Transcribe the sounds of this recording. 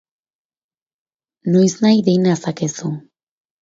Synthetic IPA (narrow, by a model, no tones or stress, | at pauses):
nojznajðejnasakesu